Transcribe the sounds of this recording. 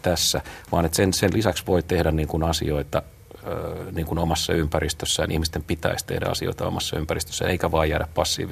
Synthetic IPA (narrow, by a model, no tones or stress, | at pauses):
t̪æsːæʋɑːnet̪sensenlisæksʋoit̪ehdænniːŋkunɑsḭoit̪ɑ | niːŋkunomɑsːɑ̰ympærist̪øsːæːnʔḭhmist̪empit̪æ̰ist̪ḛhdæ̰ɑ̰sio̰it̪ɑo̰mɑsːɑ̰ympærist̪ø̥sːæ̰neikæʋɑːjjæːdæppɑsːḭːʋi